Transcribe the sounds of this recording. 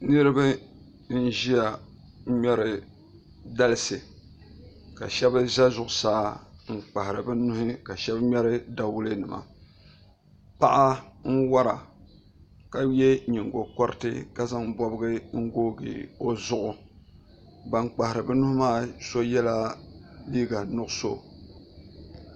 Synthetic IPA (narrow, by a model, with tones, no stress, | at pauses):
nɨ˦ɾɨ˦bɨ˦ | n̩˦ʒi˦a˨˦ | mɛ˦ɾɨ˨ | da˦lɨ˦sɨ˨ | ka̰˨ʃɛ˦ba˦za˦zʊ˨ʔʊ˨saː˦ŋ͡m̩˨k͡pa˨hɪ˨ɾɨ˨bɨ˦nʊ˦hɪ˦ka˨ʃɛ˦bmɛ˦ɾɨ˦da˦wʊ˦lɨ˦nɨ˨ma̰˨ | pa˦ʔa˦ŋ̩˦wa˦ɾa˨ | ka˨jɛ˦ɲi˨ŋ˨ɡo˨kɔ˦ɾɨ˦tɨ˦ka˦za˦ŋbɔ˦bɨ˦ɡɨ˦ŋ̩˦ɡoː˦ɡḭ˨o˦zʊ˦ʔʊ˨ | ba˨ŋk͡pa˨hɪ˨ɾɨ˨bɛ˦nʊ˦hʊ˦maː˦˨so˦jɛ˦la˦liː˦ɡa˨nʊ˦ʔʊ˦so˦˨